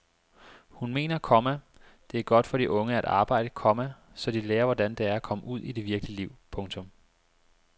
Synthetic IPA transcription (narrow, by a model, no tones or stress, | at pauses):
hunme̝̰ːnɐkʰɒ̽mæd̥e̝æɐɡ̥ɒ̽d̥fɒɾ̥iʔɔ̽ŋəæɾ̥ɑ̈ːb̥ɑ̈ɪ̰d̥əkʰɒ̽mæ | sɒ̽d̥ileːɐʋɒdænd̥e̝æɐkʰɒ̽məʔuð̞̰ˠid̥e̝ʋiɐɡ̥əliəliʊ̰pʰɔ̽ŋt͡sʰɔ̽m